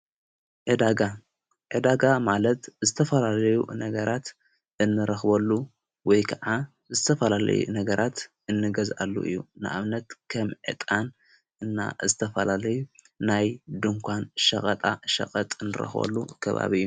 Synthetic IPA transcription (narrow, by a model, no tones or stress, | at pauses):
ʕɨd̪aɡa | ʕɨd̪aɡamalɐt̪zɨt̪ʰɐfɐlalɐjṵnɐɡɐɾat̪ | ʔɨnːɨɾɐxbɐlːu | wɔjkʰɐʕa | zɨt̪ʰɐfɐlalɐ̰jṵnɐɡɐɾʔat̪ʔɨnːɨɡɐza̰lːṵʔɨ̰jːunɨʔa̰βnɐt̪kʰɐmʕɨ̰t̪ʼan | ʔɨnːa̰zɨt̪ʰɐfɐlalɐjuː | ajd̪ɨŋkʷʰanʃɐ̰kʼɐt̪ʼaʃɐ̰qʼɐt̪ʼɨnːɨɾɐ̰xbɐ̰lːukʰɐβa̰βijːu